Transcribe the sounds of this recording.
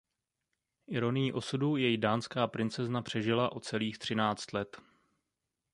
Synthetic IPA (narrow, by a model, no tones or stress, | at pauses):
ʔɪɾo̞nɪjiʔo̞sudujɛjidaːnskaːpɾɪnt͡sɛznapr̝̥ɛʒɪlaʔo̞t͡sɛliːxt̪r̥ɪnaːt͡st̪lɛt̪